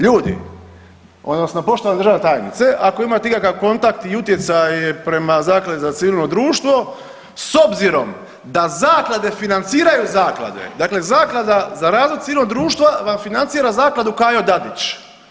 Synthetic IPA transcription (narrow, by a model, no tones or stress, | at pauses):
ʎuːd̪ḭ | o̞d̪nosnopo̞ʃt̪oʋaned̪ɾʒaʋnet̪aːjnḭt̪se̞ʔako̞imat̪eikakaʋko̞nt̪akt̪iut̪jet̪sajepɾe̞mazaːklˠad̪ezat̪siʋilˠno̞d̪ɾuːʃt̪ʋo̞ | so̞bziɾo̞m | d̪azaːklˠad̪e̞finant̪siːɾajuzaːklˠa̰d̪ḛd̪aːkle̞zaːklˠad̪azaɾaːzʋod̪t̪iʋilnod̪ɾuːʃt̪ʋaʋamfinant̪siːɾazaːklˠad̪ukajod̪ad̪it͡ʃ